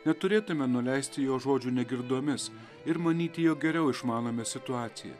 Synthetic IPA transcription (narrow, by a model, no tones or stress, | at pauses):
nʲɛt̪ʊɾʲeːt̪ʊmʲɛnʊlʲæɪsʲt̪ʲɪjoːʒoːd͡ʒʲuːnʲɛɡʲɪɾd̪oːmʲɪs | ɪɾmɐnʲiːt̪ʲɪjoːɡʲɛɾʲɛʊɪʃmɑːnoːmʲɛːsʲɪt̪ʊɑːt̪sʲɪjɛ̰